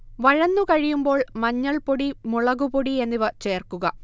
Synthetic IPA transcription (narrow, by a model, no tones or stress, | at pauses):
ʋɐɻɐnːukɐɻijumbo̞ːɭmɐɲːɐɭpoɽimuɭɐɣupoɽie̞nːiʋɐt͡ɕe̞ːrkuɣɐ